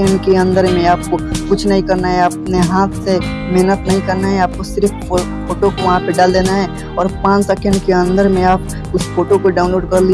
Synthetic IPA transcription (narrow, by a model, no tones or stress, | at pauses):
ẽɳɖkeɐ̃nd̪əɾmẽaːp̚kokʊt͡ʃʰnɐɦĩkɐɾnaɦɛəp̚neɦaːt̪ʰse | mɛɦnət̪nɐɦĩkɐɾnaɦɛaːp̚kosɪɾpʰ | foːʈokoʋaːpeɖaːld̪eːnaɦɛː | ɔːɾpãːt͡ʃsɐkẽɳɖkeə̃nd̪əɾmẽaːp̚ | ʊsfoːʈokoɖaːʊnloːɖkɐɾli